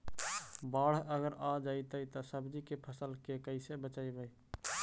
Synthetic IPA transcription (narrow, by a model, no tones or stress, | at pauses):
baɽ̤əɡəɾad͡ʒait̪əjt̪ɔsəbd͡ʒikepʰəsəlkekəɪsebət͡ʃajbəj